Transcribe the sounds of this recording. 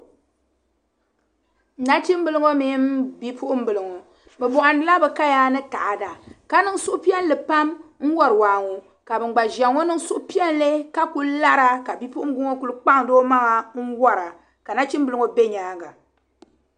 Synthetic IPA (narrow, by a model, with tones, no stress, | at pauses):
n̩˨na˦t͡ʃi˦m˦bɨ˨lɨ˦ŋo˦miː˦m˦bi˦pʰu˦ʔʊ˦m˦bɨ˨lɨ˨ŋo˨ | bɛ˨bɔ˨ʔa˨nɨ˦la˦bɛ˨ka˦jaː˦nɨ˦ta˨ʔa˨da˨ka˦nɨ˦ŋ˦sʊ˦ʔʊ˦pi˦ɛ˦n˦lɨ˨pa˦mŋ̩˦wɔ˦ɾɨ˨waː˨ŋo˨ | ka˨bɨ˨ŋ͡mɡ͡ba˨ʒa˨ŋːo˦nɨ˦ŋ˦sʊ˦ʔʊ˦pi˦ɛ˦n˦le˦ka˦ku˦lla˦ɾa˦ka˨bi˦pʊ˦ʔʊ˦m˦ɡʊ˦ŋo˦ku˨˦lɨ˦k͡pa˦ŋ˨doː˦ma˦ŋa˨ŋ̩˦wɔ˦ɾa˨ | ka˨na˦t͡ʃi˦mbɨ˨lɨ˦ŋo˨be˦ɲaː˦ɡa˨